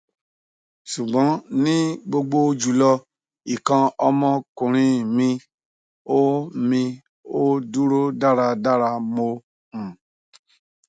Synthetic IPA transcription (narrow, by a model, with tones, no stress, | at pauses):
ʃu˨ɡ͡bɔ̃˨˦nĩ˦ɡ͡bo˧ɡ͡bo˧d͡ʒu˨lɔ˧ | i˨kã˧ɔ˧mɔ̃˧kũ˨ɾ̃ĩ˧mĩ˧ | o˦mĩ˧ | o˦du˦ɾo˦da˦ɾa˧da˦ɾa˧mo˧ | m̩̃˨